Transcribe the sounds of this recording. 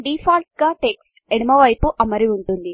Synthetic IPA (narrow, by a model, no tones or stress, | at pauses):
ɖiːpʰaːlʈ̚ɡaːʈeksʈenimɐʋɐjpuʔɐmɐɾiuɳʈund̪i